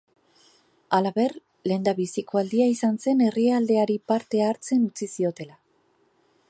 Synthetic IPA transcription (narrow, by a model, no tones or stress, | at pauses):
alaβe̞r | le̞nd̪aβisiko̞ald̪iaisanse̞ne̞riald̪e̞aɾipaɾt̪e̞aːɾt͡se̞nut͡sisio̞t̪e̞la